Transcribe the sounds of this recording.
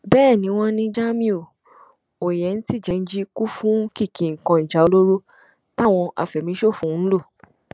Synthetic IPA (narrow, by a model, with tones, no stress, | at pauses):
bɛː˦˨nĩ˧˦w̃ɔ̃˧nĩ˧d͡ʒa˦mĩ˦o˦˨ | o˨jɛ˨˦n̩˦ti˦˨d͡ʒɛ˧n̩˦d͡ʒi˦ku˦fũ˦ki˦˨kĩ˨ŋ̩˨kã˧i˨d͡ʒa˨˦o˧lo˦ɾo˦ | ta˦˨w̃ɔ̃˧ʔa̰˨fɛ˨mĩ˧˦ʃo˦˨fũ˨˦n̩˦lo˦˨